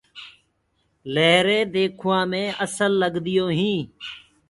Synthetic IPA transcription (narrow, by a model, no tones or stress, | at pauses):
leːɾeːd̪eːkʰʊʋãːmẽːəsəlːəɡd̪ɪjoːɦĩː